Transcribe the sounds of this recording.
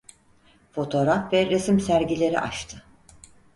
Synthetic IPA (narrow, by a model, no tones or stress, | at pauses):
fo̞t̪ʰo̞ɾafvɛɾe̞simsæɾɟilʲe̞ɾḭʔa̰ʃt̪ʰɯ